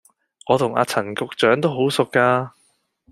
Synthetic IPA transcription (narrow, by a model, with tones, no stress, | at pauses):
ŋɔː˨˧t̪ʰʊ˨˩ŋa̰ː˨˧t͡sʰɐ˨˩nkʊ˧k̚t͡ʃœː˨˥ŋt̪o˥wɦo˨˥wsʊ˨kːaː˧